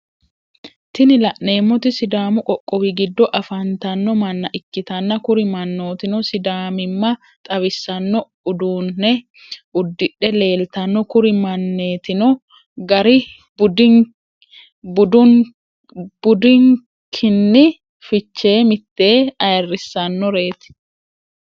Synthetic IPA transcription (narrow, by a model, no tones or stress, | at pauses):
t̪ɪnɪlɐʔne̞ːmːɔt̪ɪsɪd̪aːmʊkʼɔkʼːɔwiɡɪd̪ːɔʔɐfɐnt̪ɐnːɔmɐnːɐʔɪkːɪt̪ɐnːɐkʊɾɪmɐnːo̞ːt̪ɪnɔsɪd̪aːmɪmːɐ | t̪ʼɐβɪsːɐnːɔ | ʊd̪uːnːɛ | ʊd̪ːɪᶑːɛle̞ːlt̪ɐnːɔkʊɾɪmɐnːeːt̪ɪnɔ | ɡɐɾɪ | bʊd̪ | bʊd̪ʊŋ | b̥ʊd̪ɪŋ | kʰɪnːɪ | fɪt͡ʃːe̞ːmɪt̪ːe̞ːɐjɐrːɪsːɐnːɔɾe̞ːt̪ɪ̥